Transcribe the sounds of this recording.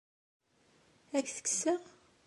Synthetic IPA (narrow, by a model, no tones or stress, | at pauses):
ækːθə̥ksəʁ